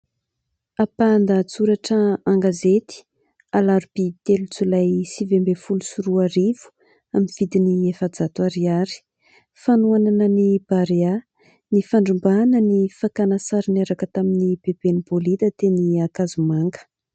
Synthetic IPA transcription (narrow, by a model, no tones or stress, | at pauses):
apand̪at͡suɾaʈ͡ʂəaŋɡazet̪i̥ | alaɾupit̪elut͡sulajsivembefulusuɾuaɾivu̥ | aminv̥id̪iniefad͡zat̪uaɾiaɾi̥ | fanuananənib̥aɾea | nifaɳɖ͡ʐumbanənifakanasaɾineɾakət̪aminipepenipolid̪ət̪eniakazumaŋɡə̥